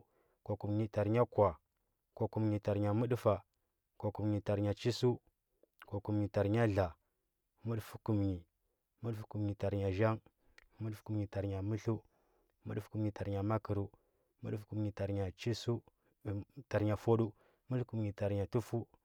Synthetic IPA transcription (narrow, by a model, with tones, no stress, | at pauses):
ko˨ku˨mɲi˨ta˨ɾɲa˦kʷa˨ | ko˨ku˨mɲi˨ta˨ɾɲa˨mu˦ɗfa˨ | ko˨ku˨mɲi˨ta˨ɾɲa˨t͡ʃi˦su˦ | ko˨ku˨mɲi˨ta˨ɾɲa˦ɮa˨ | mu˦ɗfu˦ku˨mɲi˨ | mu˦ɗfu̥˦ku˨mɲi˨ta˨ɾɲa˨ʒa˦ŋ | mu˦ɗfku˨mɲi˨ta˨ɾɲa˨mu˦ɬu˦ | mu˦ɗu˦fku˨mɲi˨ta˨ɾɲa˨ma˦ki˨ɾu˨ | mṵ˦ɗfku˨mɲi˨ta˨ɾɲa˨t͡ʃi˦su˦˨ | ta˨ɾɲa˨fo˦ɗu˦ | mu˦ɬku˨mɲi˨ta˨ɾɲa˨tu˦fu˦